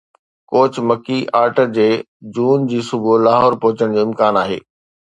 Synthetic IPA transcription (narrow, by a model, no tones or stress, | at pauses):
koːt͡ɕʰmɐkiʔaːɾʈəd͡ʑeː | d͡ʑuːnd͡ʑiːsʊbʱulaːɦɔːɾpɔ̃ɦʊt͡ɕəɽ̃d͡ʑoːɪ̃mkaːnaːɦḛː